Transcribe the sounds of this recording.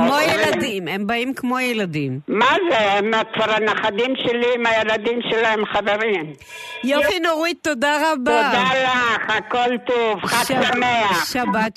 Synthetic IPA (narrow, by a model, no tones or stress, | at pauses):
kmojelad̪imembaimkmojelad̪immazematfaɾanaχad̪imʃeliimajelad̪imʃelaemχaveʁim | jofinoʁit̪ːod̪aʁabod̪alaχakolt̪ovχaʃlameaʃabat